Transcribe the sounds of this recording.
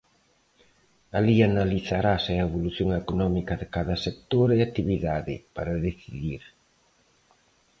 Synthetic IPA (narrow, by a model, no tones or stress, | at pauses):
alianaliθaɾaseeβoluθjoŋekonɔmikɐðɪkaðɐsek̚t̪oɾeat̪iβiðaðɪ̰paɾaðeθiðiɾ